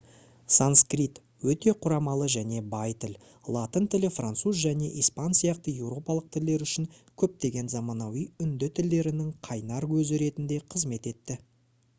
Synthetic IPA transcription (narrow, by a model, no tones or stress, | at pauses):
sanskrit̪ | wɵt̪e̞qʰʊɾɑmɑlˠəʒæne̞bɑjt̪ʰɪl | lˠat̪ənt̪ʰɪlɪfrant̪suzʒæne̞̰ʔispɑnsijɑqt̪əje̞wɾo̞pɑlˠəq̚t̪ʰɪld̪e̞ɾʏʃɪŋkʲʰɵp̚t̪e̞ɡʲe̞nzɑmɑnɑwijʏnd̪ɪt̪ʰɪld̪e̞ɾɪnɪŋqʰɑjnɑɾkʰɵzɪɾe̞t̪ɪnd̪e̞qʰəzme̞t̪e̞t̪ːɪ